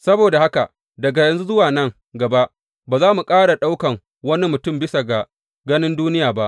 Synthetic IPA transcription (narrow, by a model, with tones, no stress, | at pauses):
sɐ˦boː˨da˨ha˦ka˨ʔ | dɐ˨ɡa˨jɐ˨nzu˦zʊ˦waː˨nɐ˦ŋ | ɡɐ˨ba˦ʔ | baː˨zaː˦mu˨kʼaː˦ɽa˨ɗa˦wkɐ˨ŋ | wɐ˦ni˦mʊ˨tʊ˦˨mbɪ˦sa˨ɡa˨ | ɡɐ˦nɪ˦nduː˦nɪ˦jaː˨ba˦ʔ